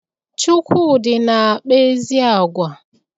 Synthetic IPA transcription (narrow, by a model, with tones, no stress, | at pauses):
t͡ʃu˦kʷʰu˦˨dɪ˨na˨k͡pe˦zi˦a˨ɡʷa˨